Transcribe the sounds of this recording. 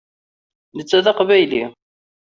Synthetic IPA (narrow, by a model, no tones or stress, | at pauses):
nət͡sːæðɑqvæjli